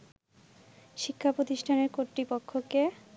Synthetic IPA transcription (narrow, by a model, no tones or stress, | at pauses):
ʃikʰːapɾot̪iʃʈʰaneɾkoʈ̪ɾipokʰːoke